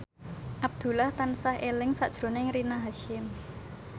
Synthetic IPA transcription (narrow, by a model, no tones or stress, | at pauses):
ʔab̚d̪̥ṳlaht̪ansahʔelɪŋsa̰ʔd̥ʒ̥ɾo̤nɪŋɾinaɦaʃɪm